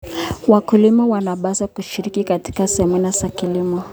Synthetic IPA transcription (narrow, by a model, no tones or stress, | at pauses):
wakulimɔwanaɓasakuʃiɾikikati̥kasɛminasakilimɔ